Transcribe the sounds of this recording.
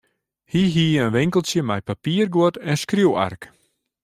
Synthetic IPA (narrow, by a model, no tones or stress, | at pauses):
hiɦiːənʋɪŋkəlˠsjəmɛjpapiərɡuʊətɛnskruwa̰rk